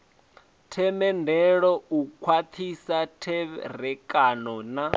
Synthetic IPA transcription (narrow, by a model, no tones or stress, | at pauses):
tʰɛmɛndʱɛɺɔukʰwat̪ʰisatʰɛɾɛkʼanɔna